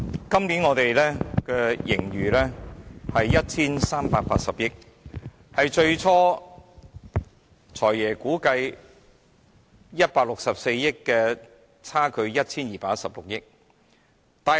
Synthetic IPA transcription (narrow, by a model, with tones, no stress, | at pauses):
kɐ˥mni˨˥nŋɔː˨˧t̪e˨jlɛː˥kɛ˧jɪ̰˨˩ŋɥyː˨lɛː˥hɐ˨jːɐ˥t̚t͡sʰiː˥nsaː˥mpaː˧t̚pa̰ː˧t̚sɐ˨p̚jɪ˥k̚ | hɐ˨jt͡ʃɵ˧ɥt͡sʰɔː˥ | t͡sʰɔː˨˩jjɛː˨˩kuː˨˥kɐ˧j | jɐ˥t̚paː˧k̚lʊ˨k̚sɐ˨p̚se˧jːɪ˥kːɛː˧ | t͡sʰaː˥kʰɵ˨˧ɥjɐ˥t̚t͡sʰiː˥njiː˨˩paː˧˥sɐ˨p̚lʊ˨k̚jɪ˥k̚ | t̪aː˨